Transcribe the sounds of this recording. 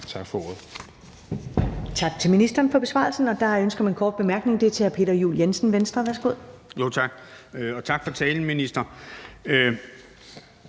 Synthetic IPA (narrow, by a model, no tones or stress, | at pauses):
t͡sʰɑ̈ɡ̥fɒo̝ɐðˠ | t͡sʰɑ̈ɡ̥̚t͡sʰe̝lminisd̥ɐːnfɒ̽b̥e̝sʋɑ̰̈ːlsn̩ɒ̽d̥ɑ̈ønsɡ̥ɐmænkʰɒːd̥̚b̥e̝mæɐɡ̥ne̝ŋd̥e̝æɐt͡sʰe̝æɐpʰe̝̰ːɾ̥ɐjṵːljensn̩ʋensd̥ʁɐʋæɐsɡ̥o̝ð̞̰ˠjo̝t͡sʰɑ̈ɡ̥ɒ̽t͡sʰɑ̈ɡ̥fɒ̽t͡sʰɛːln̩minisd̥ɐ